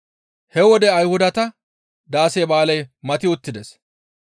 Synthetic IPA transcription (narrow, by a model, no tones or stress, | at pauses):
hɛwɔd̪ɛɐjhʊd̪ɐt̪ɐ | d̪aːseːbaːlɐjmɐt̪ɪʊt̪ːɪd̪ɛs